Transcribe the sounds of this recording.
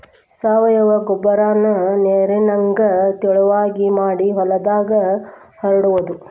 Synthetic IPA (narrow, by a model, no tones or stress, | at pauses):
saːʋɐjɐʋɐɡɔbɐɾaːnɐneːɾinɐŋɡɐt̪iɭuʋaːɡimaːɽiɦɔlɐd̪aːɡɐ | hɐɾɐɽuʋɐd̪u